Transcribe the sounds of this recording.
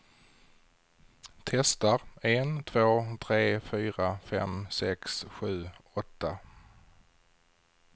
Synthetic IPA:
t̪ʰɛst̪aɾɛnt̪ʰvoːt̪ʰɾeːfyːɾafɛ̰msɛksɧʉ̟ːɔt̪ːa

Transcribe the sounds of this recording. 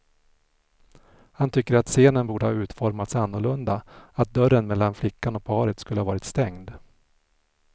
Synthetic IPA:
hant̪ʰʏkːəɾat̪seːnənbuːɖəhɑːʉ̟ːt̪fɔɾmat̪sanːʊɭɵnd̪aat̪̚d̪œɾənmɛlːanflɪkːanɔk̚pʰɑːɾət̪skɵləhavɑːɾɪt̪st̪ɛŋd̪

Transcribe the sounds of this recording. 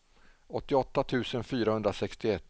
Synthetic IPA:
ɔt̪ːɪɔt̪ːat̪ʰʉ̟ːsənfyːɾahɵnd̪ɾasɛkst̪ɪɛt̪ː

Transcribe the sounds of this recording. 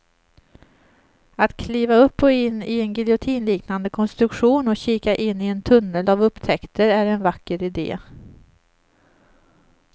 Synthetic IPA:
at̪kʰliːvaɵpːɔɪnːɪɛnɡɪljʊt̪ʰiːnliːknand̪əkʰɔnst̪ɾɵkɧuːnɔɕiːkaʔɪnːɪɛnt̪ʰɵnːəlavɵpːt̪ʰɛkt̪ʰəɾæɾɛnvakːəɾɪd̪ḛː

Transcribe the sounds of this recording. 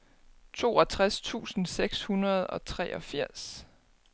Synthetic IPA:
t͡sʰo̝̰ːɒt͡sʰʁast͡sʰṵːsn̩seɡ̥shunɐð̞ˠɒ̽t͡sʰʁɛ̰ːʔɒ̽fiɐ̰s

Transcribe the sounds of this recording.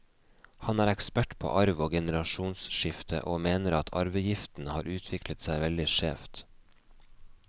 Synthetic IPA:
hɑnæːɾɛkspæʈpʰo̰ːʔɑɾʋoːɡɛnəɾɑʃuːnsʃɪft̪ʰə̰ʔoːmeːnəɾɑt̪ʰɑ̰ɾʋəjɪft̪n̩hɑːɾʉːt̪ʰʋɪklət̪sæɪʋɛld̪ɪʃeːft̪

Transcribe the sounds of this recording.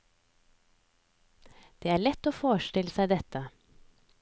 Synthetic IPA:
d̪̥eːæːɭɛt̪oːfoːʃʈɪləsæɪd̪ɛt̪ə

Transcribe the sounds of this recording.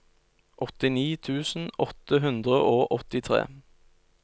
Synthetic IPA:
ʔɔt̪ɪniːt̪ʰʉːsn̩ɔt̪əɦʉnd̪ʁəʔoːʔɔt̪ɪt̪ʰʁḛː

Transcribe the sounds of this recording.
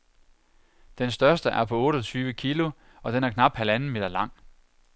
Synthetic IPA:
d̥ensd̥ɶɐsd̥əʔæɐpʰɒ̽ɔ̽ːɾ̥ɒt͡sʰyːʊʋəkʰilo̝ | ɒ̽d̥enæɐkʰnɑ̈b̥hælænn̩me̝d̥ɐlɑ̈ŋ̰

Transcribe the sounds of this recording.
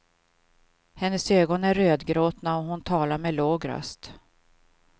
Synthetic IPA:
hɛnːəsøːɡɔnæɾøːd̪ɡɾoːt̪naɔɦʊnt̪ʰɑːlaɾmɛloːɡɾœ̰st̪

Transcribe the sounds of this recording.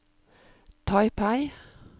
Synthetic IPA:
t̪ʰɑɪpʰæɪ

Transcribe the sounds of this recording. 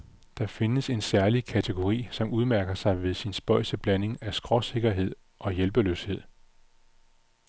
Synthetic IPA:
d̥ɑ̈fe̝nəse̝nsæɐlikʰæt͡sʰe̝ɡ̥o̝ʁḭːsɒ̽muð̞ˠmæɐɡ̥ɐsɑ̈ɪʋe̝ðˠsinsb̥ɒ̽ɪ̰səb̥læne̝ŋæsɡ̥ʁɒ̽se̝ɡ̥ɐɦe̝ð̞̰ˠ | ʔɒ̽jelb̥əlø̰ːshe̝ð̞̰ˠ

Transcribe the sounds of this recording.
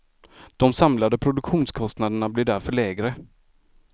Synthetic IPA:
d̪̥ɔmsamlad̪əpʰɾʊd̪ɵkɧuːnskʰɔst̪nad̪əɳablɪɖæɾfœɭɛːɡɾə

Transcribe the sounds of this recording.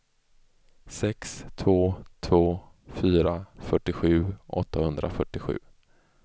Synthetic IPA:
sɛkst̪ʰvoːt̪ʰvoːfyːɾafœʈːɪɧʉ̟ːʔɔ̰t̪ːahɵnd̪ɾa̰fœʈːɪɧʉ̟ː

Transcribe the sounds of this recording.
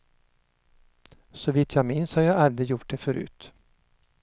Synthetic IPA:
sɔvɪt̪ʰjɑɡmɪnshɑɾjɑald̪ɾɪjʊʈ̚d̪efœɾʉ̰ːt̪

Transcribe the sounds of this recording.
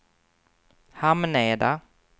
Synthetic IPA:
hamnɛːd̪a

